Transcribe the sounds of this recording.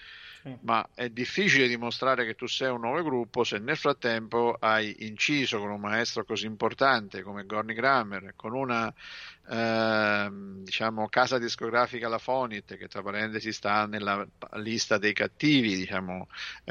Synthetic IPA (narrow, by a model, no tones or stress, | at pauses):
ma̰ɛd̪ifːiːt͡ʃiled̪imost̪ɾaːɾeket̪ːusːɛjunːɔːvoɡɾupːosenːelfɾat̪ːɛmpoʔajint͡ʃiːzokonummːaɛst̪ɾokoziːmport̪ant̪ekomeɡɔrniɡɾamːerkonuna | d̪it͡ʃaːmokaːzad̪iskoɡɾaːfikalafɔnit̪ːk̟et̪ːɾapːaɾɛnt̪esist̪anelːalist̪ad̪ejkat̪ːiːvid̪it͡ʃaːmo